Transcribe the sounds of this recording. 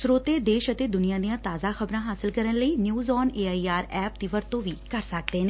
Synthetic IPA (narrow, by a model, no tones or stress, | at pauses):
sʊɾoːt̪eːd̪eːʃət̪eːd̪ʊnijãːd̪ijãːt̪aːzaːxəbɾãːɦaːsɪlkəɾənləiːnjuːzɔːneːaːiːaːɾɛːp̚t̪iːʋəɾt̪õːʋiːkəɾsək̚d̪eːneː